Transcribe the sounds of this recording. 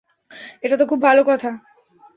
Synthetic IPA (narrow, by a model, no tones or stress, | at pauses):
eʈat̪okʰubbʱalokɔt̪ʰa